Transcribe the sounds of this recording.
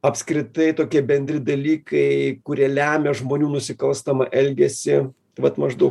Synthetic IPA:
ɐpskɾʲɪt̪ɐɪt̪oːkʲiɛbʲɛnʲd̪ʲɾʲɪd̪ɐlʲiːkɐɪkʊɾʲiɛlʲæːmʲɛʒmoːnʲuːnʊsʲɪkɐlˠst̪ɐmɐʔɛlʲɡʲɛsʲɪ | ʋɐt̪mɐʒd̪ɐʊ

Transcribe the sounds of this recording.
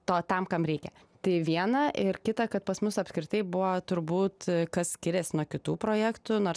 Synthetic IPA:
t̪oːt̪ɐmkɐmɾʲɛɪkʲɛ | t̪ɐɪʋʲiɛnɐʔɪɾkʲɪt̪ɐkɐt̪̚pɐsmʊsɐpʲsʲkɾʲɪt̪ɐɪbʊʋot̪ʊɾbuːt̪kɐssʲkʲɪɾʲɛsnuɔkʲɪt̪uːpɾoːjæːkt̪ʊnoːɾs

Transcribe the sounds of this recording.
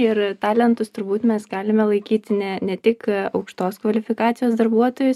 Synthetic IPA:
ɪɾt̪ɑːlʲɛnt̪ʊst̪ʊɾbuːt̪mʲɛsɡɑːlʲɪmʲɛlˠɐɪkʲiːt̪ʲɪnʲɛnʲɛt̪ʲɪkɐʊkʃt̪oːskʋɐlʲɪfʲɪkɑːt̪sʲɪjoːsd̪ɐɾbuɔt̪oːjʊs

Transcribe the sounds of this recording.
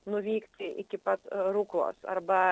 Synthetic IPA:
nʊʋʲiːkt̪ʲɪʔɪ̰kʲɪpɐt̪ɾuklˠo̰ːsɐ̰ɾbɐ

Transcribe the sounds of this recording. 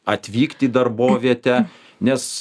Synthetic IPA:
ɐt̪ʲʋʲiːkt̪ʲiːd̪ɐrboːʋʲiɛt̪ʲɛ | nʲɛs

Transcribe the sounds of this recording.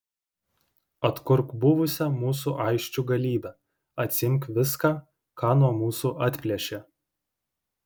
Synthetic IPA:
ɐt̪kʊɾkbʊʋʊsʲɛmuːsuːʔɐɪkʃʲt͡ʃʲuɡɐlʲiːbʲɛ | ɐt̪ʲsʲɪɪŋʲkʋʲɪskɑː | kɑːnuɔmuːsuːʔɐt̪ʲpʲlʲiɛʃʲeː

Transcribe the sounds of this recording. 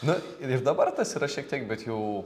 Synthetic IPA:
nʊ | ɪɾd̪ɐbɐrt̪ɐsiːɾɐʃʲiɛk̚t̪ʲiɛk̚bʲɛt̪jɛʊ

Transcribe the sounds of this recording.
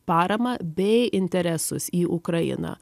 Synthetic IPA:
pɑːɾɐmɐbʲɛɪɪnʲt̪ʲɛɾʲɛsʊsiːʔʊkɾɐjɪ̰nɐ̰ː

